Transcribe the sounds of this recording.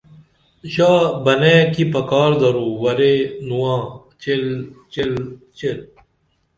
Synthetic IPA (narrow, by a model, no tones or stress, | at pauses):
ɕaːbɐnẽːkipɐkaːɾd̪ɐɾuːwɐɾenuwãː | t͡ɕelt͡ɕelt͡ɕel